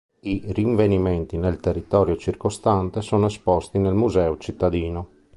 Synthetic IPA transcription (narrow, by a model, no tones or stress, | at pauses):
iriɱveniment̪inelt̪erːit̪ɔːɾjot͡ʃirkost̪ant̪esoːnoespɔst̪inelmuzɛːot͡ʃit̪ːad̪iːno